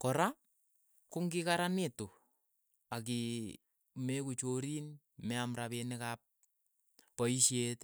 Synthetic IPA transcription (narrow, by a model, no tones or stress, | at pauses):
kɔɾa | kʊŋɡɪkaɾaneto | ak̬i | mekut͡ʃoɾin | mɛamɾapenɪkap̚ː | ɔiʃjet